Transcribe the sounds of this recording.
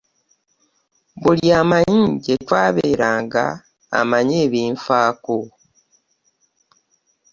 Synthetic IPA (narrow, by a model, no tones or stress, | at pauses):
βuljaːmajiɟetwaːβeːɾaːŋɡa̰ː | maɲeːβiːɱfaːko